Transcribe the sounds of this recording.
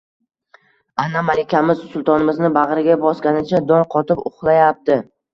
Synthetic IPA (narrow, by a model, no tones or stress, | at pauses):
anːamalɪkʲamɪzsʊlˠt̪ʰɒnɪmɪznɪbaʁɾɪɡʲabɒskʲanɪt͡ʃʰad̪ɒnqʰɒt̪ɪpʊχlˠajap̚t̪ɪ